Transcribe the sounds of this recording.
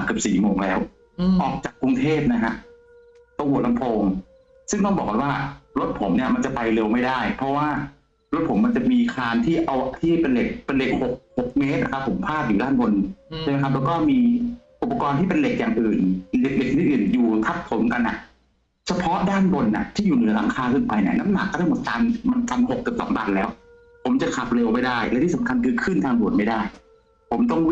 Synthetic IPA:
kɯ˨˩psiː˨˩moː˧ŋlɛː˦˥w | ʔɔː˨˩k̚t͡ɕaː˨˩kːɾu˧ŋt̪ʰeː˥˩p̚na˦˥kʰa˦˥ʔ | t̪o˧ŋmu˨˩t̚la˧mpʰoː˧ŋ | sɯ˥˩ŋt̪ɔː˥˩ŋbɔː˨˩kːa˧nwaː˥˩ɾo˦˥t̪̚pʰo˩˦mni˥˩ɐma˧nt͡ɕa˨˩pa˧jle˧wma˥˩jdaː˥˩jpʰɔ˦˥waː˥˩ | ɾo˦˥t̪̚pʰo˩˦mːa˧nt͡ɕa˨˩miː˧kʰaː˧nt̪ʰiː˥˩ʔa˧wt̪ʰiː˥˩pe˧nle˨˩k̚pe˧nle˨˩k̚ho˨˩k̚ho˨˩k̚meː˦˥t̪̚na˦˧˥kʰa˦˥pʰːo˩˦mpʰaː˥˩t̪̚juː˨˩daː˥˩nbo˧nt͡ɕʰa˥˩ma˦˥kʰa˦p̬̚lɛː˦˥kɔː˥˩miː˧ʔu˨˩pːa˧kɔː˧nt̪ʰiː˥˩pe˧nle˨˩k̚jaː˨˩ŋʔɯː˨˩nle˨˩k̚le˨˩k̚ni˦˥ʔɯː˨˩njuː˨˩t̪ʰa˦˥p̚pʰːo˩˦mka˧nːʔa̰˨˩ʔ | t͡ɕʰa˧pʰɔ˦˥daː˥˩nbo˧nʔa̰˨˩t̪ʰiː˥˩juː˨˩nɯ˩˦ɐla˩˦ŋkʰaː˧kʰɯ˦˥˩npa˧jnɛ̰˦˧˩na˦˥mna̰˨˩k̚ːɔː˥˩ɾaː˥˩jmo˨˩t̪̚taː˧nma˧nt̪a˧nho˨˩k̚kːɯ˨˩psɔ̰˩˦ŋtaː˧nlɛː˦˥w | pʰo˩˦mt͡ɕa˨˩kʰa˨˩p̚le˧wma˥˩jdaː˥˩jlɛː˦˥t̪ʰiː˥˩sa˨˦mkʰa˧nkʰɯː˧kʰɯ˥˩nt̪ʰaː˧ŋdu˨˩ət̪̚ma˥˩jdaː˥˩j | pʰo˩˦mt̪ɔ˥˩ŋ

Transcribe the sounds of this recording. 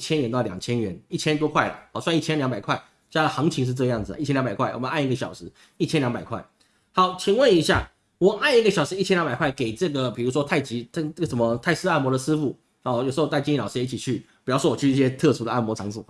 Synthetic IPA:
t͡ɕʰjɛ˥nɥɛ˧˥nt̪ɑ˥˩ljɑ̰˨˩ŋt͡ɕʰjɛ˥nɥɛ˧˥ni˥˩t͡ɕʰjɛ˥nt̪̬wɔ˥kʰwa˥˩ɪlə̰˩ɑ˧˩swni˥˩t͡ɕʰjɛ˥nljɑ˧˥ŋpa˨˩ɪkʰwa˥˩ɪ | t͡ɕja˥˩d̪ə˩xɑ˧˥ŋt͡ɕʰi˧˥ŋʂ̬ɻ̩˥˧ʈ͡ʂɤ˥˧jɑ˥˩ŋd͡zɹ̩˨˩ə̰˦i˥˩t͡ɕʰɛ˥njba˨˩kwa˥˩ɪwɔ˨˩mə˦na˥˧ni˥˩ɡə˩ɕjɑ̰˨˩ʊʂɻ̩˧˥ | i˥˩t͡ɕʰɛ˥nljɑ˧˥ŋmpa˨˩ɪkʰwa˥˩ɪ | xɑ˧˥˦ʊt͡ɕʰi˨˩ŋwə˥˨ni˧˥ɕja̰˥˩ | wɔ˨˩ʔa˥˧ni˥˩ɡə˩ɕjɑ˨˩ʊʂɻ̩˧˥i˥˩t͡ɕʰɛ˥njɑ˧˥ŋba˨˩ɪkʰwa˥˩ɪke˨˩ɪʈ͡ʂɤ˥˩ɡə˩pi˨˩ɻu˧˥ʂwɔ˥t̪ʰa˥˩ɪt͡ɕi˧˥˧ə˥˩ɡʂə˧˩nmə˧t̪ʰa˥˩ɪsɹ̩˥a˥˩mwɔ˧˥ɾə˨sɹ̩˥fu˥˩˧ | jʂ̩˧˥o˥˧ʊa˥˩ɪt͡ɕi˥˧lɑ˨ʊʂɻ̩˥˧jɛ˧˦i˥˩t͡ɕʰi˨˩t͡ɕʰy˥˩pjɑ˥˧ʂwɔ˥wɔ˨˩t͡ɕʰy˥˧t͡sɤ˥˩ɕjɛ˥t̪ʰɤ˥˧ʈ͡ʂʰu˧˥d̪ə˨a˥˩nmwɔ˧˥ʈ͡ʂʰɑ˧˥ŋsu˨˩

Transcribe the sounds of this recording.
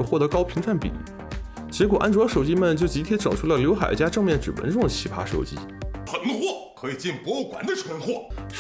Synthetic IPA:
xwɔ˥˩t̪ɤ˧˥kɑ˥ʊpʰi˧˥ŋt͡sʰa˥˩npḭ˨˩˦ | t͡ɕjɛ˧˥kwɔ˨˩ʔa˥nʈ͡ʂwɔ˧˥ʂo˨˩ʊt͡ɕi˥mə˨nt͡ɕjo˥˩ʊt͡ɕi˧˥t̪ʰjɛ˥nʈ͡ʂɤ˨˩ŋʈ͡ʂʰu˥˩lə˩ljo˧˥ʊxa̰˨˩ɪt͡ɕja˥ʈ͡ʂɤ˥˧ŋmjɛ˥˩nʈ͡ʂɻ̩˨˩wə̰˧˥nʈ͡ʂʊ˥˩ŋd̪ə˩t͡ɕʰi˧˥pʰa̰˥ʂo̰˨˩ʊt͡ɕḭ˥ | xə˨˩n˥xwɔ˥˩kʰɤ˧˥i˨˩t͡ɕi˥˩npwɔ˥o˥˩kwa˨˩nd̪ə˧ʈ͡ʂʰwə˧˥nxwɔ˥˩

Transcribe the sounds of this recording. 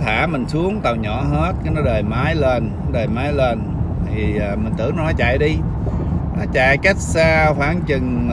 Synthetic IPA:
t̪ʰaː˧˩˥mï˨˩ŋ̟su˨˦əŋt̪a˨˩wɲɔ̰˧˦ɦe˦˥t̚ka˨˦nɔ˨˦ɗəː˨˩jmaː˨˦jle˧n˦ɗəː˨˩jmaː˨˦jleː˧n | t̪ʰiː˨˩˨mï̟˨˩t̪ɨ̰˧˩˦nɔ˧˦nɔ˨˦t͡ɕa̰ː˧˨jɗi˧ | nɔ˨˦t͡ɕa̰ː˧˨jka˦˥k̚saː˧xwaː˧˩ŋt͡ɕɨ˨˩ŋ

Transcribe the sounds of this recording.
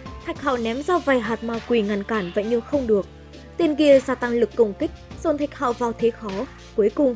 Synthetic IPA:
t̪ʰa˨˩jk̚ha̰ː˧˨wnɛ˨˦mzaː˧va˨˩jɦaː˨˩t̚maː˨˩wkwi˨˩ŋa˨˩nkaː˧˩nva̰ː˧˨jɲɨ˧xə˧wŋ͡mɗɨ˨˩ək̚ | t̪i˧ənɣi˧əzaː˧˩t̪a˧ŋlɨ˨˩kːə˨˧˩wŋ͡mkï˦˥k̚z̥o˨˩nt̪ʰa˨˩jk̚ha̰ː˧˨wvaː˨˩wt̪ʰe˨˦xɔ˨˦ | ku˨˦əjkʊ˨˩ŋ͡m

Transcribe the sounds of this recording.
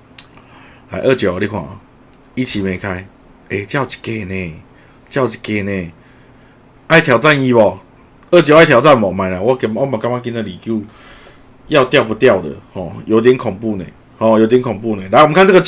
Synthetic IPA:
la̰˨˦jʔə˥˨t͡ɕjɔ˨˩˨ɾi˦˧kʰwã̰˨˩ | i˦˩t͡ɕʰi˨˦mẽ˨˩˦kʰa˧˦ɪ | e˧˩t͡ɕja˥˧ʊt͡ɕi̥˨˩ke˧˩nẽ˨˩ | t͡ɕja˥˩ʊt͡ɕi̥˨ke˧nẽ˨˩ | ʔa˥˩jt̪ʰja˨ʊt͡sa˥˨ni˦bɔ˨˩ | ə˥˨t͡ɕjɔ˨˦a˥˩jt̪ʰja˨ʊt͡sa˥˨nbɔ˨mã˨˩ɪnã˨˦wɔ˦kmɔ˦mã˨˩ka˦ŋmã˦˧k̬i˧˦nd̪ə˨li˨kju˥˧ | ja˥˧ʊt̪ja˥˨ʊp̬u˧t̪ja˥˨ʊd̪ə̰˨˩hɔ̃˨˩jo˨˦i˧t̪jɛ˧˦nkʰɔ˨˩ŋpu˥˧nḛ̃˨˩ | hɔ̃˨˩ji˧t̪jnkʰɔ˨ŋpu˥˨nẽ˨ɾa˨˧˦kʰa˥˨nt͡sə˥ɡə˧

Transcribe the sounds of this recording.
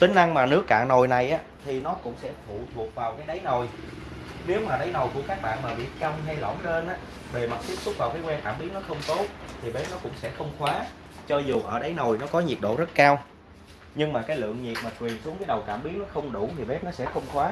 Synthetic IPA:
t̪ï˨˦ŋ̟ʔa˧ŋmaː˨˩nɨ˦˥əkːa̰ː˧˨no˨˩jna˨˩jʔaː˨˦t̪ʰi˨˩nɔ˨˦kʊ̰˧˥ŋ͡msɛ̰˧˥fʰṵ˧˨t̪ʰu˨˩ək̚vaː˨˩wkaː˨˦jɗə˨˦jno˨˩j | ne˨˦wmaː˨˩ɗə˨˦jno˨˩jku˧˩əkaː˦˥k̚ɓa̰ː˧˨nmaː˨˩ɓḭ˧˨t͡ɕə˧wŋ͡mɦa˧jlɔ̰˧˩nte˧nʔaː˨˦˥ | ve˨˩ma˨˩t̚t̪i˦˥p̚sʊ˦˥t̚vaː˨˩wkaː˨˦jkwɛ˧nk̪aː˧˩mɓi˦˥ət̚nɔ˨˦xə˧wŋ͡mt̪o˦˥t̚t̪ʰi˨˩ɓe˦˥p̚nɔ˨˦kʊ̰˧˥ŋ͡msɛ̰˧˥xə˧wŋ͡mxwaː˨˦ | t͡ɕɔ˧zu˨˩ʔəː˧˩ɗə˨˦jno˨˩jnɔ˨˦kɔ˨˦ɲi˨˩əɗo̰˧˨zə˦˥t̚kaː˧w | ɲɨ˧ŋmaː˨˩kaː˨˦jlɨ̰˧˨əŋɲi˨˩t̚maː˨˩kwi˨˩ənsu˨˦əŋkaː˨˦jɗə˨˩wkaː˧˩mɓi˦ət̚nɔ˨˦xə˧wŋ͡mɗu˧˩t̪ʰi˨˩ɓe˦˥p̚nɔ˨˦sɛ̰˧˥xə˧wŋ͡mxwaː˨˦

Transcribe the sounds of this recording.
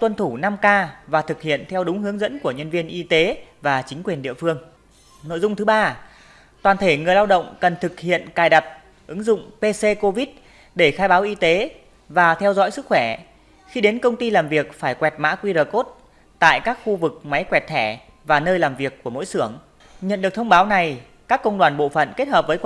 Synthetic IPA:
t̪wə˧nt̪ʰu˧˩na˧mkaː˧vaː˨˩t̪ʰɨ˨˩k̚hḭ˧˨ənt̪ʰɛ˧wɗʊ˨˦ŋ͡mɦɨ˨˦əŋzə̰˧˥nku˧˩əɲə˧nvi˧ənʔi˧t̪e˨˦vaː˨˩t͡ɕï˨˦ŋ̟kwi˨˩ənɗḭ˧˨əfɨ˧əŋ | no̰˧˨jzʊ˧ŋ͡mt̪ʰɨ˨˦˥ɓaː˧ | t̪waː˨˩nt̪ʰe˧˩ŋɨ˨˩əjlaː˧wɗə̰˧˨wŋ͡mkə˨˩nt̪ʰɨ˨˩k̚hḭ˧˨ənkaː˨˩jɗa˨˩t̚ | ʔɨ˨˦ŋzʊ̰˧˨ŋ͡mpe˧se˧ko˧vi˦˥t̚ | ɗe˧˩xaː˧jɓaː˨˦wʔi˧t̪e˨˦ | vaː˨˩t̪ʰɛ˧wzɔ̰˧˥jsɨ˦˥k̚xwɛ˧˩ | xi˧ɗe˨˦nkə˧wŋ͡mt̪i˧laː˨˩mvi˨˩ək̚faː˧˩jkwɛ˨˩t̚ma̰ː˧˥kwi˧ɾəː˨˩ko˦˥t̚ | t̪a̰ː˧˨jkaː˦˥k̚xu˧vɨ˨˩k̚ma˨˦jkwɛ˨˩t̚t̪ʰɛ˧˩ | vaː˨˩nəː˧jlaː˨˩mvi˨˩əkːu˧˩əmo̰˧˥jsɨ˧˩əŋ | ɲə̰˧˨nɗɨ˨˩ək̚t̪ʰə˧wŋ͡mɓaː˨˦wna˨˩j | kaː˦˥kːə˧wŋ͡mɗwaː˨˩nɓo̰˧˨fə̰˧˨nke˦˥t̚ɦəː˨˩p̚vəː˨˦j

